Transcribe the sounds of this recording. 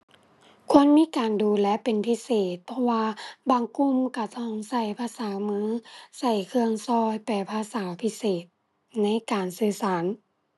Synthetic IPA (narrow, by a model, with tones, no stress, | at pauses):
kʰu˧˥˨ənmiː˧˥˨kaː˨nduː˨˩lɛ˦˧˥ʔpe˨npʰi˧˥seː˨˩t̪̚pʰɔ˧waː˧baː˨ŋku˧˨mka˧˩t̪ɔ˧˩˨ŋsa˧˩jpʰaː˧saː˨˦mɯː˧˥sa˧˩jkʰɯ˧əŋsɔː˧jpa˨˩pʰaː˧saː˨˦pʰi˧˥seː˨˩t̪̚ | na˧˥˨jkaː˨nsɯː˧sa˨˦n